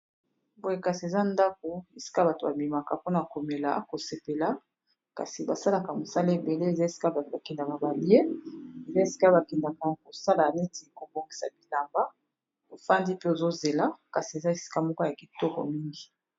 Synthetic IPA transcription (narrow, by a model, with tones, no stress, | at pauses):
bo˨je˨ka˨si˨e˨za˦nda˦ko˨e˨si̥˦ka˦ba˨to˨ba˨bi˨ma˨ka˨po˦na˨ko˨me˨la̰˨ko˨se˨pe˨la˦ | ka̰˨si˨ba˨sa˦la˨ka˨mo˨sa˦le˦be˨le˦e˨za˦e˨si̥˦ka˦˨ba˨kɛ˨nda˨ka˨ba˨bje˦e˨za˦e˨si̥˦ka˦ba˨kɛ˨nda˨ka˨ko˨sa˦la˨ne˦tʰi˨ko˨bo˨ŋɡi˨sa̰˨bi˨la˨mba˦ | o˨fa˦ndi˦pe˦o˨zo˦ze˨la˦ka˨si˨e˨za˦e˨si̥˦ka˦mɔ˦ko˦ja˨ki˨tɔ˦kɔ̰˨mi˦ŋɡi˨